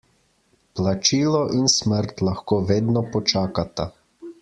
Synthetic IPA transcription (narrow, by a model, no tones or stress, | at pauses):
plat͡ʃiːlɔʔinsməɾt̪laxkoːʋeːd̪nɔpɔt͡ʃaːkat̪a